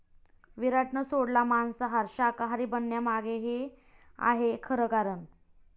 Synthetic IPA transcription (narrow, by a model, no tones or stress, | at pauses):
ʋiɾaʈɳəsoɽlamansəɦaɾɕakaɦaɾiːbənːjamaɡeɦe | a̰ɦekʰəɾəkaɾən